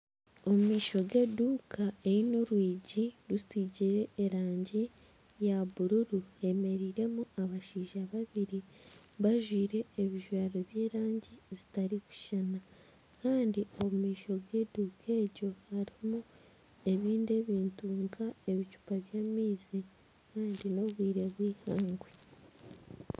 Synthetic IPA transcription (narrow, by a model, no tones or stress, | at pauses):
o̞mumiːʃo̞ɡe̞ːduːkʰaeino̞ɾwiːɟiɾusiɟiɾe̞ːɾaːɲɟi | jaβuɾuɾue̞me̞ɾiːɾe̞muaβaʃiːʒaβaβiɾi | βaʒwiːɾe̞ːβiʒwaːɾo̞βje̞ːɾaːɲɟizitaɾiku̥ʃana | kaːndio̞βumiːʃo̞ɡwe̞ːdukʰeːɟo̞haɾimu | e̞βiːnde̞βiːntuːŋɡae̞βicu̥paβjaːmiːzi | kaːndino̞βwiːɾe̞βwiːhaːŋɡwe